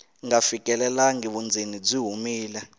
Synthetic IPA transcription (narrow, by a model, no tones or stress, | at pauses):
ŋafik̬ʼɛlɛlaŋiɓund͡zʱinid͡ziɦumiːlɛ